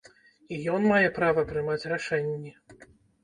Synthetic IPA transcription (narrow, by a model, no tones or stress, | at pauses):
ijɔnmajɛpɾavɐpɾɨmat͡sʲraʂɛnʲːɛ